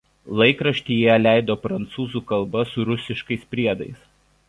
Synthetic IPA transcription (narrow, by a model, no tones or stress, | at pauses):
lˠɐɪkɾɐʃʲt̪ʲiːjɛlʲæˑɪd̪oːpɾɐnt̪suːzuːkɐlˠbɐsʊɾʊsʲɪʃkɐɪspʲɾʲiɛd̪ɐɪs